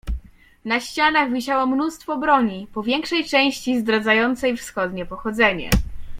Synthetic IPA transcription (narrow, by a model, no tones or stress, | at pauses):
naɕt͡ɕanaɣvʲiɕawɔmnust̪fɔbɾɔɲipɔvʲjɛŋkʂɛjt͡ʂɛ̃w̃ɕt͡ɕizd̪ɾad̪zajɔnt̪sɛjfsxɔd̪ɲɛpɔxɔd̪zɛɲɛ̰